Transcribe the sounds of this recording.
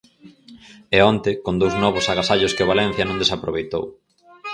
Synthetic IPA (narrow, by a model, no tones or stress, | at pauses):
ɛɔnt̪ɪkond̪owznɔβ̞ʊsaɣasaʎʊskɪoβalɛ̃n̟θjɐnõŋd̪esapɾoβejt̪o̰w